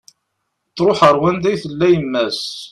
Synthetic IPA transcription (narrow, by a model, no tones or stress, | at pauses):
t͡sːɾˤoħəɾˤwænd̪æjθəlːæjəmːæs